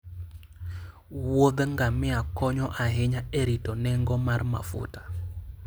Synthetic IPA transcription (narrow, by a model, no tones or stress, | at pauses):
wod̪ŋɡamɪakɔɲɔʔaɦɪɲaeɾitɔnɛŋɡɔmarma̰fʊ̰tḁ